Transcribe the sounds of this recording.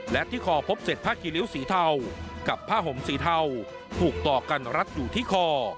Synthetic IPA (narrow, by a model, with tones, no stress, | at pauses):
lɛ˦˥t̪ʰiː˥˩kʰɔː˧pʰo˦˥p̚se˨˩t̪̚pʰaː˥˩kʰiː˧li˦˥wsiː˩˦t̪ʰa˧wka˨˩pʰːaː˥˩ɦo˩˦msiː˩˦t̪ʰa˧w | t̪ʰuː˨˩k̚t̪ɔː˨˩ka˧nɾa˦˥t̪̚juː˨˩t̪ʰiː˥˩kʰɔː˧˩